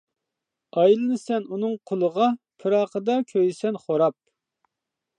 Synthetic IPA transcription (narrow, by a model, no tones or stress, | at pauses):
ɑjlˠɨnɨsɛnunɨŋqʰolˠəʁɑpʰɨɾɑqəd̪ɑkʲʰøjɪsɛnχoɾɑp̚